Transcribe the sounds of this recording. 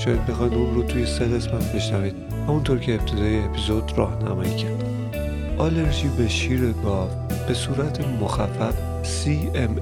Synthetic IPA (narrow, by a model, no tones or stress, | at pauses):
ʃɒjæd̪̚be̞xɒjd̪unrot̪ʰuje̞seɣesmænbe̞ʃnæviːd̪̥̚ | hæmunt̪ʰoːɾcʰe̞ːp̚t̪ʰe̞d̪ɒːjeːpʰizo̞d̪rɒːhnæmɒjicʰæɾd̪̥ | ʔɒle̞ɾʒiːbeʃiːɾeɡɒf | b̥e̞suːɾæt̪ʰemoxæfæf | siː | em